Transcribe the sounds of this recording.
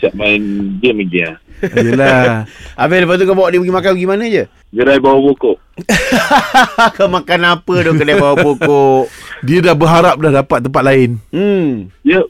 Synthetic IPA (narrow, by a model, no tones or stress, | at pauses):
t͡ʃaʔmaɪnd͡ʒiəməɡiajəla | ameləpat̪̬ukabawaʔdibəɡimakanbəɡimanəd͡ʒə | ɡəɾajbawabokoʔ | kamakanapədokədajbawabokoʔdiədahbəɦaɾap̚dahɡapat̪̚ːəmpat̪laɪn̩ | iə